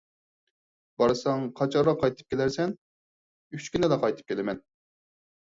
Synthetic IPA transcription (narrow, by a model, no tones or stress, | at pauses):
b̥ɑɾɨsɑŋqʰɑt͡ʃʰɑɾʁɑqʰɑjt̪ʰɨ̥p̚kʲelæɾsɛn | yt͡ʃkʲynɪlɛqʰɑjt̪ʰɨ̥p̚kʲʰelɪmɛn